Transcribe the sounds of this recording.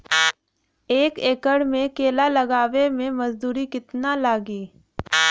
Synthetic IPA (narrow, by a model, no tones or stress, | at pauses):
eːkeːkəɽmẽkeːlalɐɡaːʋemẽmɐzd̪uːɾikɪt̪nalaːɡiː